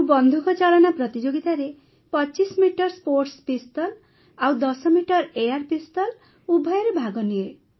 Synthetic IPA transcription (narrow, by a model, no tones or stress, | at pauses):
bɔnd̪ʱukɔt͡ʃalɔnapɾɔt̪id͡ʒoɡit̪aɾe | pɔt͡ʃismiʈɔɾspoɾʈspist̪ɔl | awd̪ɔsɔmiʈɔɾejaɾpist̪ɔl | ubʱɔjɔɾebʱaɡɔnie